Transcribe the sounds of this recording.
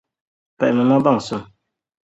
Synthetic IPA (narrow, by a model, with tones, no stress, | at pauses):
pɛ˨ʔmɨ˨ma˦ba˦˨ŋ˨sʊ˦˨